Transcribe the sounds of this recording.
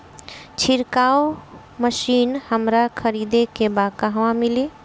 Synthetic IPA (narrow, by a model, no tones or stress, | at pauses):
t͡ʃʰiɾkao | məʃiːnhəmɾakʰəɾid̪ekebakaɦʋãmili